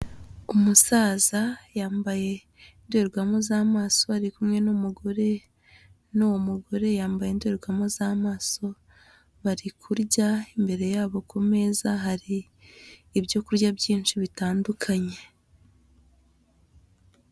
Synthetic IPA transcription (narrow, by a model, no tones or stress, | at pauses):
umusaːzajaːmbaje̞ | indweɾɡwamozaːmaːso̞haɾikumŋe̞numuɡo̞ɾe̞ | nuwomuɡo̞ɾe̞jaːmbajendeɾɡwamozaːmaːso̞ | βaɾikʰuɾɟaimbe̞ɾe̞jaːβo̞kume̞zaɦaɾiː | bjo̞kuɾɟabɟiːnʃiβitaːndukʰaɲe̞